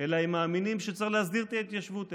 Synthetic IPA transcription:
elaemaːminimʃet͡selehasdiʁt̪iet̪jaʃvut̪

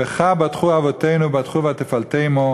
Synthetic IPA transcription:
eχabatχuavɔteɪnubat̪χuvat̪efaltejmo

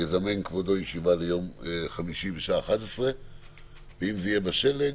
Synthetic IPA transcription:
ezame̞nkvod̪o̞jeʃivalejo̞meχamiʃibeʃaaːχat̪esʁe | veimzeijebaʃelːe

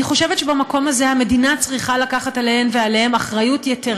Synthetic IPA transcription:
iχo̞ʃevett͡ʃebamako̞mazehame̞dinat͡sʁiχalakaχatalehemvealehemaχʁajutjeteʁ

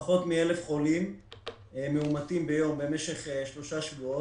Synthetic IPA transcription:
χo̞t̪mielefχo̞lim | emeumat̪imbejo̞mbe̞meʃe̞χeʃlo̞ʃaʃvuo

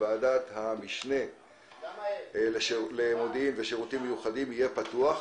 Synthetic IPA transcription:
aːdat̪hamiʃne̞ | leʃlemo̞d̪iimveʃeʁut̪imːejuχadimijepat̪uaχ

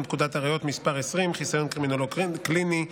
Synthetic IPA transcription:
kud̪at̪aʁajo̞t̪mispaʁesʁimχisajo̞nkʁiminoloklini

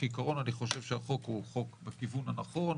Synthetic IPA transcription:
ikaʁo̞naniχo̞ʃe̞vʃeaχo̞kuχo̞kbekivunanaχo̞n

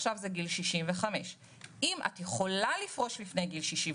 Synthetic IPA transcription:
ʃavzeɡilʃiʃimveχame̞ʃ | ʔimʔa̰tjeχo̞lalifʁo̞ʃlifnejɡilʃiʃi

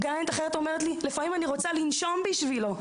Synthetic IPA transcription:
ɡajent̪aχeʁet̪o̞me̞ʁet̬lilefamimaniʁo̞t͡salinʃo̞mbiʃvilo̞

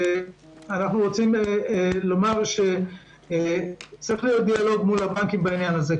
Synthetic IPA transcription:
anaχnuʁot͡sim | lo̞maʁʃe̞ | t͡sʁiχlijo̞t̪̚d̪ialo̞ɡmulabankimbainjanaze

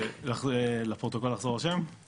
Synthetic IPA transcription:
lalepʁot̪oko̞lːaχzo̞ʁaʃem

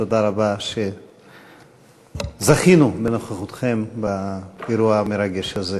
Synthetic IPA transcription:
tod̪aɾabaʃe | zaχinubeno̞χaχut̪χe̞mbaeɾuameɾaɡeʃaze

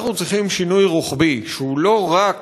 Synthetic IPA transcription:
χnut͡sʁiχimʃinujʁuχbiʃeulo̞ʁak

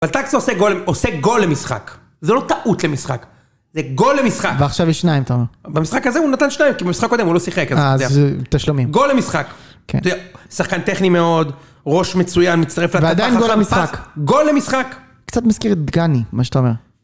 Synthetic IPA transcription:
avalt̪aksoseɡoleoseɡo̞lemisχa̰k | zelo̞t̪aʔut̪lemisχak | zeɡolːemisχakveaχʃavjiʃnaimat̪aomeʁbamisχakazeunat̪anʃnaimkibemisχakːo̞d̪emulo̞siχekazaat̪aʃlomimɡolːemisχak | kḛtːdɛsaχkant̪eχnimeo̞d̪ | ʁo̞ʃmet͡sujanmit͡st̪aʁeflavead̪ajnɡllemisχakɡo̞lːemisχak | kt͡sat̪maskiʁet̪d̪ɡanimaʃe̥t̪aomeʁ

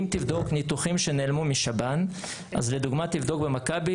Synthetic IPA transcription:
imt̪ivd̪o̞knit̪uχimʃe̞neːlmumiʃaban | ʔa̰zle̞d̪uɡmat̪ivd̪o̞kbemakabi

